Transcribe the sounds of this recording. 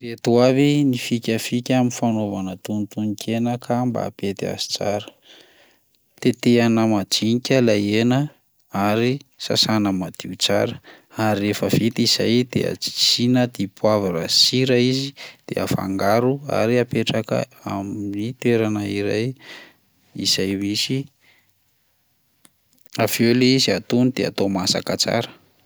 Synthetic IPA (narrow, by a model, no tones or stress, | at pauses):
ret̪uavinifikʲəfikʲaminfanovanət̪unit̪unikʰenəkʰamba̰pet̪ea̰zi̥t͡sa̰ɾə̥ | t̪et̪eanəmad͡ʒinikʲalajenə | aɾisa̰sanəmad̪̥iut͡sa̰ɾə | aɾirefəv̥it̪iz̥ajd̪̥ḛa̰i̥t͡sinəd̪̥ipʰwavaɾasiɾəizid̪̥ḛa̰fa̰ŋɡaɾua̰ɾiapeʈ͡ʂakə̰aminit̪eɾanaiɾaj | iz̥ajmisi | aveleiziat̪unid̪̥ea̰t̪omasa̰kət͡sa̰ɾə̥